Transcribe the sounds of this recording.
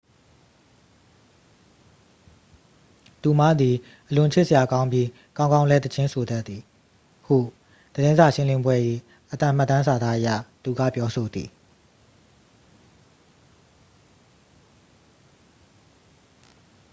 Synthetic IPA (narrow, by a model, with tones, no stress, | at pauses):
t̪u˨m̥a˦˨d̪i˨ | ʔəlʊ̃˨t͡ɕʰɪ˦ʔsəja˨kã˦ʊ̃mbji˦ | kã˦ʊ̃ŋɡã˦ʊ̃lɛ˦t̪ət͡ɕʰɪ̃˦nsʰo˨d̪ɛ˦t̪ːi˨ | hṵ˦˨ | d̪̥əɾɪ̃˦nza˨ʃɪ̃˦lɪ̃˦mbwɛ˦ʔi˦˨ | ʔət̪ã˦˨m̥a˦˨t̪ːã˦nsa˨d̪a˦ʔəja̰˦˨t̪u˨ɡä̰˦˨pjɔ˦so˨d̪ðḭ˨